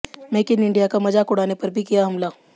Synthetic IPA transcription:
meːkɪnɪ̃ɳɖijakamɐd͡ʒakʊɽaːnepɐɾbʱikijaɦɐmlaː

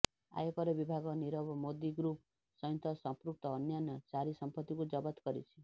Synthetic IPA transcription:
a̰jɔkɔɾebibʱaɡɔniɾɔbɔmod̪iɡɾup | sɔj̃nt̪ɔsɔmpɾuk̚t̪ɔːnjanɔt͡ʃaɾisɔmpɔt̪ːikud͡ʒɔbat̪kɔɾḭt͡ʃʰi

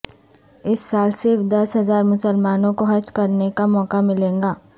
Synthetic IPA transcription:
ɪsːaːlsɪɾfd̪ɐsɦɐzaːɾmʊsəlmaːnõkoɦɐd͡ʒkɐɾnekamɔːkamɪlẽːŋɡaː

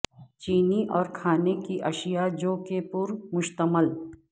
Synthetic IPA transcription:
t͡ʃiːniʔɔːɾkʰaːnekiʔɐʃijad͡ʒoːkepʊɾmʊʃt̪əməl

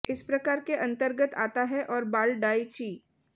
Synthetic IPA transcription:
ɪspɾɐkaːɾkeʔɐ̃nt̪əɾɡət̪a̰ːt̪aɦɛʔɔːɾbaːlɖaːit͡ʃiː

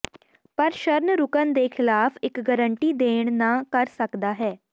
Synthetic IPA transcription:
pəɾʃəɾnɾʊkənd̪eːkʰɪlaːpʰɪkɡəɾəɳʈiːd̪eːɳnãːkəɾsəkd̪aːɦɛː

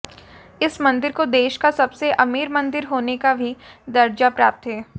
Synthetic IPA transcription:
ɪsmɐ̃nd̪ɪɾkod̪eːʃkasɐbseʔɐmiːɾmɐ̃nd̪ɪɾɦoːnekabʱid̪ɐɾd͡ʒapɾaːp̚t̪ɦɛː

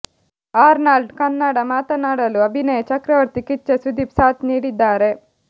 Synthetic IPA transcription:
aːɾnaːlɖkɐnːaɽɐmaːt̪ɐnaːɽɐluɐbʱinɐjɐt͡ʃɐkɾɐʋɐɾt̪ikit͡ʃːesud̪ʱipsaːt̪niːɽid̪ːaːɾe

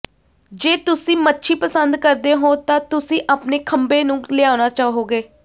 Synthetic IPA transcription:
d͡ʒeːt̪ʊsĩːmətːʃʰiːpəsənd̪kəɾd̪eːɦõːt̪ãːt̪ʊsĩːʔaːpneːkʰəmbeːnũːlɪaːnaːt͡ʃaːɦoːɡeː

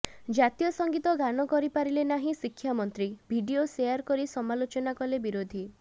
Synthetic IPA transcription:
d͡ʒat̪ijɔsɔŋɡit̪ɔɡanɔkɔɾipaɾilenaɦĩsikʰːjamɔnt̪ɾibʱiɖiosejaɾkɔɾisɔmalot͡ʃɔnakɔlebiɾod̪ʱi

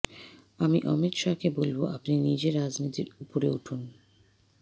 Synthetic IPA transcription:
amiʔɔmit̪ʃakebolboʔapninid͡ʑeɾːad͡ʑnit̪iɾupoɾeuʈʰun

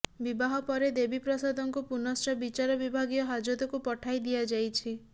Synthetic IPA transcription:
bibaɦɔpɔɾed̪ebipɾɔsad̪ɔŋkupunɔsʈɔbit͡ʃaɾɔbibʱaɡijɔɦad͡ʒɔd̪ɔkupɔʈʰajd̪iad͡ʒajt͡ʃʰi

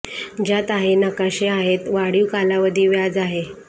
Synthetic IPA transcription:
d͡ʑat̪aɦenəkaɕeaɦet̪ʋaɽiʋkalaʋəd̪ʱiːʋjad͡zaɦe

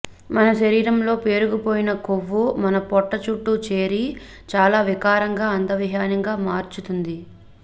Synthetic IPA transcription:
mɐnɐʃɐɾiːɾɐmlo̞ːpe̞ːɾuɡupoːjinɐkoʋːumɐnɐpɔʈːɐt͡ʃuʈːut͡ʃe̞ːɾi | t͡ʃaːlaːʋikaːɾɐŋɡaːɐnd̪ɐʋiɦaːnɐŋɡaːmaːɾt͡ʃut̪und̪i

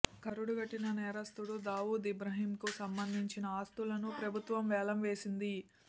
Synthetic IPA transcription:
kɐɾuɽuɡɐʈːinɐnɛːɾɐst̪uɽud̪aːʋuːd̪ibɾɐɦiːmkusɐmbɐnd̪ʱiɲt͡ʃinɐaːst̪ulɐnupɾɐbʱut̪ʋɐmʋɛːlɐmʋe̞ːsind̪i

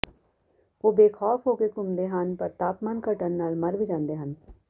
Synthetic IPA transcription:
oːbeːkʰɔːfɦoːkekʊmd̪eːɦənpəɾt̪aːpmaːnkəʈənːaːlməɾʋiːd͡ʒãːnd̪eːɦən

